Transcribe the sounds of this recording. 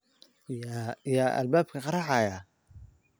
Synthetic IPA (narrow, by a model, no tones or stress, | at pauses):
jaːʔɐ̰lbaːb̚kʰɐqɑɾɑħɑjaː